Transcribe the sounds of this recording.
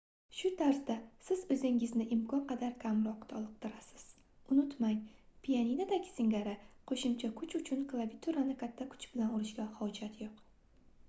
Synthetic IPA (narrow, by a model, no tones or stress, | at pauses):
ʃʊt̪ʰaɾsd̪asɪzɵzɪŋɪznɪʔɪmkʰɒnqʰɑd̪aɾkʲʰamɾɒqt̪ʰɒlˠɨq̚t̪ʰɪɾasɪ̥z̥ | ʊnʊt̪maŋpʰijaninad̪aɡʲɪ̥sɪŋɡaɾaqʰoʃɪmt͡ʃʰakʰʊt͡ʃʊt͡ʃʰʊnklˠavit̪ʰuɾanɪkʲʰat̪ʰːakʰʊ̥t͡ʃb̥ɪlanʊɾɪʃɡʲahɒd͡ʒat̪ʰjoq